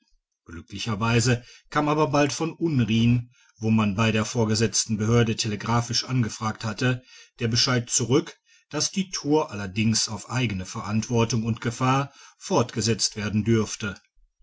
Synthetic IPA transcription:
ɡ̥lʏklɪçɐvaɪzəkʰaːmaːbɐbaltfɔnʔʊnʁiːn | voːmanbaɪɾeːɐfoːɐɡəzɛt͡stn̩bəhøːɐdətʰeləɡʁaːfɪʃʔanɡəfʁ̥aːkthatəd̥eːɐbəʃaɪt̚t͡suʁʏk | d̥asd̥iːtʰuːɐʔalɐdɪŋsaʊfʔaɪɡənəfɛɐʔantv̥ɔɐtʊŋʊntɡ̥əfaːɐfɔɐtɡ̥əzɛt͡stv̥eːɐdn̩dʏɐftə

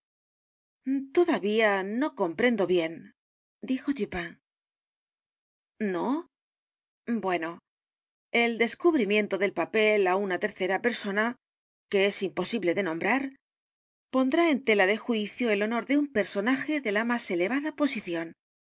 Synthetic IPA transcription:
t̪o̞ðaβiano̞ko̞mpɾe̞nd̪o̞βje̞n | d̪ixo̞t̪ypaŋ | no̞ | bwe̞no̞ | e̞ld̪e̞skuβɾimjẽ̞nt̪o̞ðe̞lpape̞launat̪e̞ɾθe̞ɾape̞ɾso̞na | ke̞e̞simpo̞siβle̞ðe̞nõ̞mbɾaɾ | po̞nd̪ɾae̞nt̪e̞laðe̞xwiθjoelo̞no̞ɾðe̞umpe̞ɾso̞naxe̞ðe̞lamase̞le̞βaðapo̞siθjo̞n

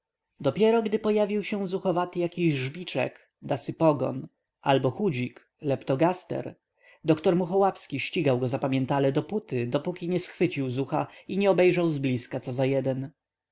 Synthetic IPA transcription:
d̪ɔpʲjɛɾɔɡd̪ɘpɔjavʲiwɕɛ̃zuxɔvat̪jakʲiʑʐbʲit͡ʂɛ̰k | d̪asɘpɔɡɔ̰n | ʔalbɔxud͡ʑik | lɛpt̪ɔɡast̪ɛ̰ɾ | d̪ɔkt̪ɔɾmuxɔwafskʲiɕt͡ɕiɡawɡɔzapamʲjɛnt̪alɛd̪ɔput̪ɘd̪ɔpukʲiɲɛsxfɘt͡ɕiwzuxaiɲɛɔbɛjʐawzblʲiskat̪sɔzajɛd̪ɛn

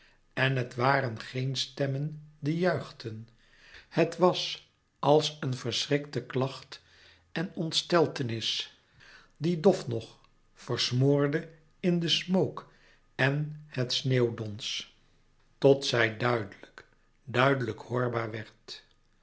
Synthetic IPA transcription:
ɛnɦətʋaːrənχejnstɛməndijœɥχtən | hətʋɑs | ɑlˠsənvəɹsrɪktəklɑχt | ɛnɔntstɛlˠtənɪs | didɔfnɔχ | fəɹsmʊːɹdə | ɪndəsmowk | ɛnhətsneːwdɔns | tɔtsɛjdœɥdələk | dœɥdələkhʊːɹbaːɹʋɛɹt

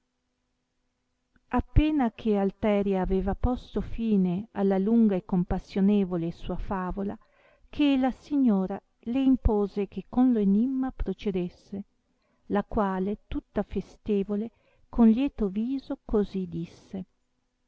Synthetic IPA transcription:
apːeːnakʰealt̪ɛːɾjaːveːvapɔst̪ofiːnealːaluŋɡaekːompasːjoneːvolesuːafaːvola | kʰelasiɲːoːɾa | leimpoːzek̟ekːonloenimːapɾot͡ʃed̪esːe | lakwaːlet̪ut̪ːafest̪eːvole | kʰonljɛːt̪oviːzokozid̪isːe

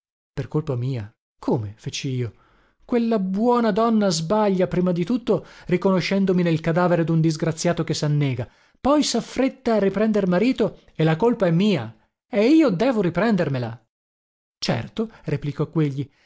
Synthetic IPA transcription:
perkolpamiːa̰ | kʰoːmefet͡ʃiiːo | kwelːabwɔːnad̪ɔnːazbaʎːapɾiːmad̪it̪ut̪ːorikonoʃːɛnd̪ominelkad̪aːveɾed̪und̪izɡɾat̪sːjaːt̪okesanːɛːɡa | pɔjsafːɾet̪ːaːrːipɾɛnd̪eɾmaɾiːt̪o | elakolpaɛmːiːa̰ | eiːod̪ɛːvoɾipɾɛnd̪ermela̰ | t͡ʃɛ̰rt̪oreplikɔkːweʎːi

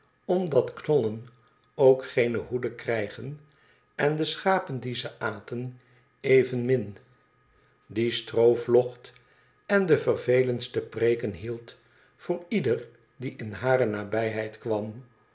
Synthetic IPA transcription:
ɔmdɑtknɔlən | owkχejnəɦudəkrɛjχən | ɛndəsχaːpəndizəʔaːtən | ejvənmɪn | distrowflɔχt | ɛndəvərvejlənstəpreːkənɦilˠt | fʊːɹidər | diʔɪnɦaːɾənaːbɛjɦɛjtkʋɑm

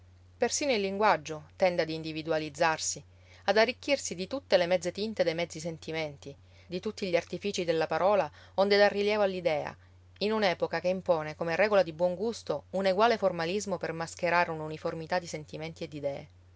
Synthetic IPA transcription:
persiːnoilːiŋɡwad͡ʒːot̪ɛnd̪ead̪iːnd̪ivid̪ualid̪zːarsi | ad̪arːikːirsid̪it̪ut̪ːelemɛd̪zːet̪int̪ed̪ejmɛd̪zːis̬ent̪iment̪i | d̪it̪ut̪ːiʎiart̪ifiːt͡ʃid̪elːapaɾɔːla | ond̪ed̪arːiljɛːvoalːid̪ɛːa̰ | inunɛːpokakeimpoːnekomerɛːɡolad̪ibwɔŋɡust̪ouneɡwaːleformalizmopermask̟eɾaːɾeununiformit̪ad̪ːisent̪iment̪ied̪ːid̪ɛːḛ

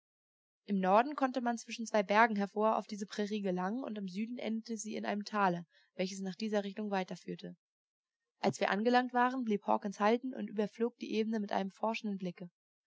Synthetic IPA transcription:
ʔɪmnɔɐdn̩kʰɔntəmant͡sv̥ɪʃn̩t͡sv̥aɪbɛɐɡŋ̩ɦɛɐfoːɐa̰ʊfd̥iːzəpʁ̥ɛʁiːɡəlaŋənʊ̰ntɪmzyːdn̩ʔɛ̰ndətəziːɪ̰nʔa̰ɪnəmtʰaːlə | vɛlçəsnaːχd̥iːzɐʁɪçtʊŋvaɪtɐfyːɐtʰə | ʔalsv̥iːɐʔanɡəlaŋtv̥aːʁənbliːphɔ̰ːkɪnshaltn̩ʊ̰ntʔy̰ːbɐfloːk̚d̥ḭːʔeːbənəmɪtʔa̰ɪnəmfɔɐʃn̩dən̩blɪkə

